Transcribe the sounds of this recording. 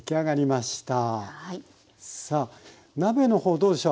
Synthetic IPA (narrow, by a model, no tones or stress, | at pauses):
kʲiaɡaɾʲimaɕi̥t̪a | saː | nabe̞no̞ho̞ːd̪o̞ːd̪e̞ɕo